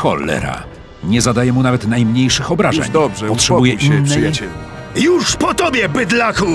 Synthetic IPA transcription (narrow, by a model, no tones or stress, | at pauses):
xɔ̰lːɛ̰ɾa̰ | ɲɛzad̪ajɛmunavɛt̪najmɲejʂɘxɔbɾaʐɛ̰ɲd̪ʐɛpɔttʂɛbujɛiɛnːɛjt͡ɕɛ | juʂpɔt̪ɔbʲjɛbɘd̪laku